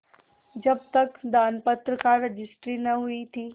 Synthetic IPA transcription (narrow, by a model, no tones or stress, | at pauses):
d͡ʒəb̚t̪əkd̪anpət̪ɾəkaɾəd͡ʒisʈɾinəɦuit̪i